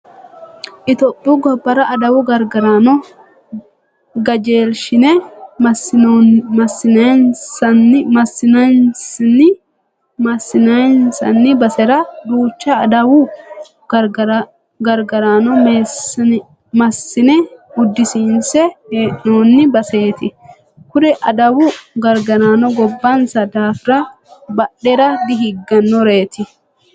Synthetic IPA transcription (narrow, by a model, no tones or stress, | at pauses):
ʔɪt̪oːpʼːɪʊɡɔbːɐɾɐʔɐd̪ɐwʊɡɐɾɡɐɾanɔ | ɡɐd͡ʒe̞ːlʃɪnɛmɐ | mɐsːɪnɐnsɐnːɪmɐsːɪnɐnsnːɪ | mɐsːɪnɐjnsɐ̰nːɪbɐsɛɾɐd̪uːt͡ʃːɐːd̪ɐwʊ | ɡɐɾɡɐɾaːnɔms | mɐsːɪnɛʊd̪ːɪsinsɛheːʔnoːnːɪbɐse̞ːt̪ɪ | kʊd̪ɛʔɐd̪ɐwʊɡɐɾɡɐɾaːnɔɡɔbːɐnsɐd̪aːfɪɾɐ | bɐɗːɛɾɐd̪ɪɦɪɡːɐnːɔɾe̞ːt̪ɪ